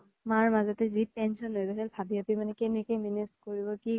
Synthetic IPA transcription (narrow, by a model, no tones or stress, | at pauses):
maɹmazɔtɛzitɛnsɔnːojɡɔsɛlbʱabiapimanɛkenikeminiskoɹibɔki